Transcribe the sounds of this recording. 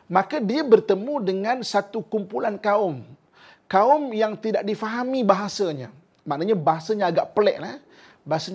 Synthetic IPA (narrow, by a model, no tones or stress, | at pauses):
mãkadiabərt̪əmũdəŋãnsat̪ukumpulankaʊm | kaʊmjaŋt̪idaʔ̚difaɦamibaɦasaɲa | ma̰ʔnaɲabaɦasaɲaːɡaʔpəlɛ̰ʔlah | baɦasaɲ